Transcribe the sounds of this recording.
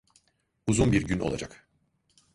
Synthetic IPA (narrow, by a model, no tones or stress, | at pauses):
uzunbiɾɟynʔolˠa̰d͡ʒak